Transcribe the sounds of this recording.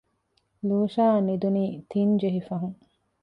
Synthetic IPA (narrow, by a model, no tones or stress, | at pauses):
luːʃaːnid̪uniːt̪ʰiɲd͡ʒeɦifɐɦuŋ